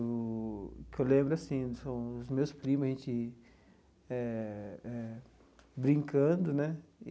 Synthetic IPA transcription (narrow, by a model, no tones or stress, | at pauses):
kewlẽmbɾʊasĩsɐ̃w̃ʊzmewspɾĩmʊʒẽt͡ʃɪ | ɛɛ | bɾĩŋkɐ̃d̪ʊnɛ